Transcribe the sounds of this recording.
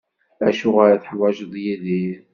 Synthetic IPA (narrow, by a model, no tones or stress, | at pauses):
æʃʊʁaɾaθəħwæʒəðˤjiði